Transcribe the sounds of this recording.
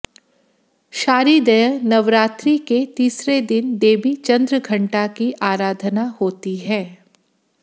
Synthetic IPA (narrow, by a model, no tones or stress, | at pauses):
ʃaːɾid̪ɐjənɐʋɾaːt̪ɾiket̪iːsɾed̪ɪnd̪eːbit͡ʃɐ̃nd̪ɾəɡʱɐ̃ɳʈakiʔaːɾaːd̪ʱənahoːt̪iɦɛː